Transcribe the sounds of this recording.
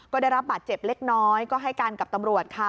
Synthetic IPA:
kɔː˥˩daː˥˩jɾa˦˥p̚baː˨˩t̪̚t͡ɕe˨˩p̚le˦˥k̚nɔː˦˥jkɔː˥˩ɦa˥˩jkaː˧nka˨˩p̚t̪a˧mɾu˨˩ət̪̚kʰa˧˩

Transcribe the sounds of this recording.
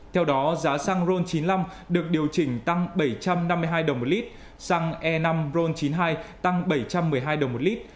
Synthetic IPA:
t̪ʰɛ˧wɗɔ˨˦zaː˨˦sa˧ŋzo˧nt͡ɕi˨˦nla˧m | ɗɨ˨˩ək̚ɗi˨˩əwt͡ɕï˧˩ŋ̟t̪a˧ŋɓə˧˩jt͡ɕa˧mna˧mːɨ˧jɦaː˧jɗə˨˩wŋ͡mmo˨˩li˦˥t̚ | saː˧ŋʔɛ˧na˧mzo˧nt͡ɕi˨˦nɦaː˧jt̪a˧ŋɓə˧˩jt͡ɕa˧mːɨ˨˩əjɦaː˧jɗə˨˩wŋ͡mmo˨˩t̚li˦˥t̚

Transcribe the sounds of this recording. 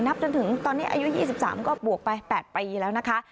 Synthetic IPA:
na˦˥p̚t͡ɕo˧nt̪ʰɯ˩˦ŋt̪ɔː˧nːiː˦˥ʔa̰ː˧ju˦˥jiː˥˩si˨˩p̚sa̰ː˩˦mkɔː˥˩bu˨˩ək̚pa˧jpɛː˨˩t̪̚piː˧lɛː˦˥wna˦˥kʰa˦˥

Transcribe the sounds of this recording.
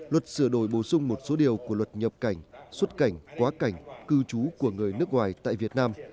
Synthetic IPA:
lwə˨˩t̚sɨ˧˩əɗo˧˩jɓo˧˩sʊ˧ŋ͡mmo˨˩t̚so˨˦ɗi˨˩əwku˧˩əlwə˨˩t̚ɲə˨˩p̚ka˧˩jŋ̟swə˦˥t̚ka˧˩jŋ̟kwaː˨˦ka˧˩jŋ̟kɨ˧t͡ɕu˨˦ku˧˩əŋɨ˨˩əjnɨ˦˥ək̚ŋwaː˨˩jt̪a̰ː˧˨vi˨˩ət̚naː˧m

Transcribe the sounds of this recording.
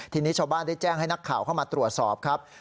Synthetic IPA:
t̪ʰiː˧ni˦˥t͡ɕʰaː˧wbaː˥˩nda˥˩jt͡ɕɛː˥˩ŋɦa˥˩jna˦˥kʰːaː˨˩wkʰa˥˩wmaː˧t̪ɾu˨˩ət̪̚sɔː˨˩p̚kʰa˦˥p̚

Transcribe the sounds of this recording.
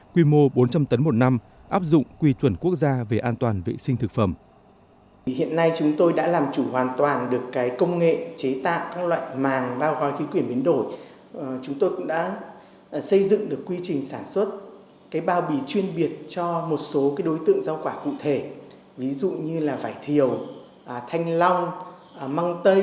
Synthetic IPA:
kwi˧mo˧ɓo˨˦nt͡ɕa˧mt̪ə˨˦nmo˨˩t̚na˧m | ʔaː˦˥p̚zʊ̰˧˨ŋ͡mkwi˧t͡ɕwə˨˧˩nku˦˥ək̚zaː˧ve˨˩ʔaː˧nt̪waː˨˩nvḛ˧˨sï˧ŋ̟t̪ʰɨ˨˩k̚fə˧˩m | hḭ˧˨ənːa˧jt͡ɕʊ˨˦ŋ͡mt̪o˧jɗa̰ː˧˥laː˨˩mt͡ɕu˧˩ɦwaː˨˩nt̪waː˨˩nɗɨ˨˩əkːaː˨˦jkə˧wŋ͡mŋḛ˧˨t͡ɕe˨˦t̪a̰ː˧˨wkaː˦˥k̚lwa̰ː˧˨jmaː˨˩ŋɓaː˧wɣɔ˨˦jki˨˦kwi˧˩ənɓi˨˦ənɗo˧˩j | t͡ɕʊ˨˦ŋ͡mt̪o˧jkʊ̰˧˥ŋ͡mɗa̰ː˧˥˩ | sə˧jzɨ̰˧˨ŋɗɨ˨˩əkːwi˧t͡ɕï˨˩ŋ̟saː˧˩nswə˦˥t̚ | kaː˨˦jɓaː˨˩wɓi˨˩t͡ɕwi˧ənɓi˨˩ət̚t͡ɕɔ˧mo˨˩t̚so˨˦kaː˨˦jɗo˨˦jt̪ɨ̰˧˨əŋza˧wkwaː˧˩kṵ˧˨t̪ʰe˧˩ | vi˨˦zṵ˧˨ɲɨ˧laː˨˩vaː˧˩jt̪ʰi˨˩əw | t̪ʰa˧jŋ̟la˧wŋ͡m | ma˧ŋt̪ə˧j

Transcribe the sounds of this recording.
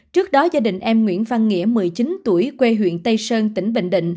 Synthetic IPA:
t͡ɕɨ˦˥ək̚ɗɔ˨˦zaː˧ɗḭ̈˧˨˩ŋ̟ʔɛ˧mŋwḭ˧˨ənva˧nŋḭ˧˥əmɨ˨˩əjt͡ɕi˨˦nt̪u˧˩əjkwe˧ɦwḭ˧˨ənt̪ə˧jsəː˧nt̪ï˧˩ŋ̟ɓḛ˧˨ŋ̟ɗḭ˧˨ŋ̟

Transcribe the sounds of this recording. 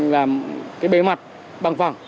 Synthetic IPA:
laː˨˩mkaː˨˦jɓe˨˦ma˨˩t̚ | ɓa˨˩ŋfa˨˩ŋ͡m

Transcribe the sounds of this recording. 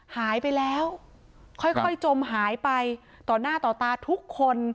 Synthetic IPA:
haː˩˦jpa˧jlɛː˦˥w | kʰɔ˥˩jkʰɔ˥˩jt͡ɕo˧mɦaː˩˦jpa˧j | t̪ɔː˨˩naː˥˩t̪ɔː˨˩t̪aː˧t̪ʰu˦˥kʰːo˧n

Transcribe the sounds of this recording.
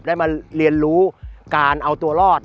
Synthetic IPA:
daː˥˩jmaː˧li˧ənɾuː˦˥kaː˧nʔa˧wt̪u˧ɐlɔː˥˩t̪̚

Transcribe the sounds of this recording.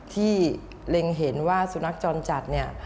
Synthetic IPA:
t̪ʰiː˥˩ | le˧ŋɦe˩˦nwaː˥˩su˩˦na˦˥k̚t͡ɕɔː˧nt͡ɕa˨˩t̪̚ni˥˩ɐ

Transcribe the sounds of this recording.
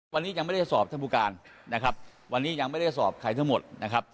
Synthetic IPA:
wa˧nːiː˦˥ja˧ŋma˥˩da˥˩jsɔː˨˩p̚t̪ʰa˥˩buː˧kaː˧nːa˦˥kʰa˦˥p̚ | wa˧nːiː˦˥ja˧ŋma˥˩jda˥˩jsɔː˨˩p̚kʰa˧˩jt̪ʰa˥˩ŋmo˨˩t̪̚na˦˥kʰa˦˥p̚

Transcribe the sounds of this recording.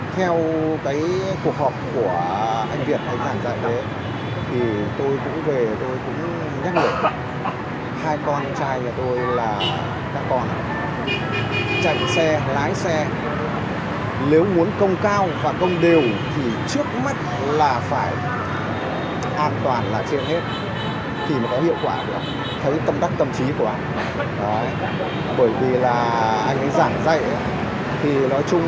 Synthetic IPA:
t̪ʰɛ˧wkaː˨˦jku˨˩ək̚hɔː˨˩p̚ku˧˩əʔa˧jŋ̟vi˨˩ət̚ʔə˨˧jŋzaː˧˩nza̰ː˧˨jɗə˨˦ | t̪ʰi˨˩t̪o˧jkʊ̰˧˥ŋ͡mve˨˩t̪o˧jkʊ̰˧˥ŋ͡m | ɲa˦˥t̚lɨ˨˩ək̚ | haː˧jkɔ˧nt͡ɕaː˧jɲaː˨˩t̪o˧jlaː˨˩ | kaː˦˧˥kːɔ˧n | t͡ɕa̰˧˨jŋsɛ˧laː˨˦jsɛ˧ | le˨˦wmu˨˦ənkə˧wŋ͡mkaː˧wvaː˨˩kə˧wŋ͡mɗe˨˩əwt̪ʰi˨˩t͡ɕɨ˦˥ək̚ma˦˥t̚ | laː˨˩faː˧˩j | ʔaː˧nt̪waː˨˩nlaː˨˩t͡ɕe˧nhe˦˥t̚ | t̪ʰi˨˩nɔ˨˦˥kɔ˨˦hḭ˧˨əwkwaː˧˩ku˧˩˨ʔa˧ŋ | t̪ʰə˨˦jt̪ə˧mɗa˦˥k̚t̪ə˧mt͡ɕi˨˦ku˧˩əʔa˧jŋ̟ | ɗɔ˨˦ | ɓəː˧˩jvi˨˩laː˨˩ʔa˧jŋ̟ʔə˨˦jzaː˧˩ŋza̰˧˨jʔ | t̪ʰi˨˩nɔ˨˦jt͡ɕʊ˧ŋ͡m

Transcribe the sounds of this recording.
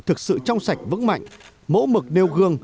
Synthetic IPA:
t̪ʰɨ˨˩k̚sɨ̰˧˨t͡ɕɔ˧wŋ͡msa˨˩jk̟̚vɨ̰˧˥ŋma̰˧˨jŋ̟ | mo̰˧˥mɨ˨˩k̚ne˧wɣɨ˧əŋ

